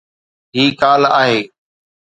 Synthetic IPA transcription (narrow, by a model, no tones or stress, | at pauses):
ɦiːkaːlaːɦeː